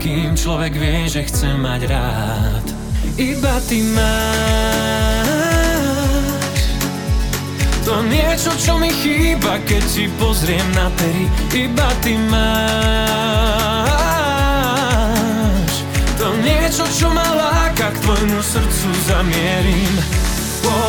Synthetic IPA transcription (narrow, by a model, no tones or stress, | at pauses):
kimt͡ʃlɔʋɛɡʋɪɛʒɛxt͡sɛmaɟɾaː | t̪ | ibat̪imaː | ʃ | t̪ɔɲɪɛt͡ʃɔt͡ʃɔmixiːbakɛc̚tipɔzɾɪɛmnapɛɾiibat̪imaː | ʃ | t̪ɔɲɪɛt͡ʃɔt͡ʃɔmalaːkakt̪ʋɔjmusr̩t͡suzamɪɛɾim | pɔ